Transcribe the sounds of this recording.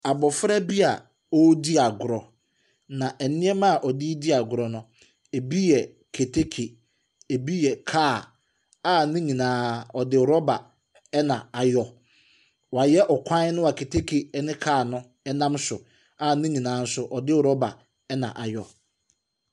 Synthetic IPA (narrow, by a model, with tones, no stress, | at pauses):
a˨bɔ˨fɾɛ˦bi˦a˨ | ɔ˦di˦a˨ɡʊ˨ɾɔ˨ | nã˨ʔɛ˨nɪ̃˦ɛ˦mã˦˨ʔɔ˨di˦di˦a˨ɡʊ˨ɾɔ˨nʊ̃˦ | e˨bi˦jɛ˨ | kʰe˨tʰe˦kʰe˨ | e˨bi˦jɛ˨kʰaː˦˨ | a˦˨nɪ̃˦ɲĩ˨nãː˦ɔ˨dɪ˦˨ɾɔ˦ba˨ | ɛ˦nã˨a˨jɔ˦ | wa˨jɛ˦ʔɔ˨kʷʰã˦nʊ̃˦wa˨kʰe˨tʰe˦kʰe˨ɛ˦nɪ̃˦kʰaː˦˨nʊ̃˦ | ɛ˦nã˦msʊ˨ | a˦˨nɪ̃˦ɲĩ˨nãː˨˦n̩˦sʊ˦ʔɔ˨dɪ˦˨ɾɔ˦ba̰˨ | ɛ˦nã̰˨ʔa˨jɔ˨